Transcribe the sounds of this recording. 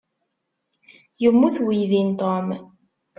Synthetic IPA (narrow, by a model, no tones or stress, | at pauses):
jəmːuθwijðint̪ˤom